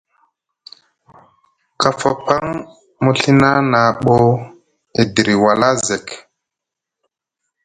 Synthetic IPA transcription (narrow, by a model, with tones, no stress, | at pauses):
ka˨fa˨pa˦ŋ | mu˦ɬi˦na˦na˨ɓo˦ | e˨di˨ɾi˨wa˨la˦ze˨k